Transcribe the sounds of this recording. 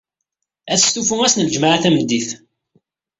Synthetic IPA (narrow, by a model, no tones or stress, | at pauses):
æθst̪ufuŋæsnləd͡ʒmaʕaθæməd̪ːiθ